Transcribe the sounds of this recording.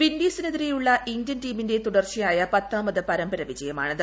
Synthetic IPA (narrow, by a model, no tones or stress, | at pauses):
ʋindiːsɨnɐðiɾijuɭːɐʔiŋdɐntiːminde̞t̪uɽɐrt͡ɕijaːjɐpɐt̪ːaːmɐðɨpɐɾɐmbɐɾɐʋid͡ʑɐjɐma̰ːɳɨð